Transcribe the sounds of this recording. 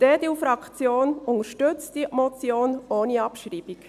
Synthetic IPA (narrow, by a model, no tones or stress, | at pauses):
d̥ɛd̥̪iʊfɾɑkt͡sjoːnʊŋəɾʃtʏt͡stimɔt͡sjoːnʔoːniɑpʃɾiːb̥ik